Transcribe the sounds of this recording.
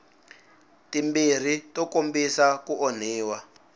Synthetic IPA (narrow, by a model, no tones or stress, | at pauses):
timbir̤itɔkombisakuʔɔn̤iːwa